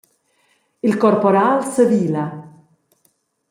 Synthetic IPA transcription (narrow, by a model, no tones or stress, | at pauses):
ilkɔrpɔɾalsəviːla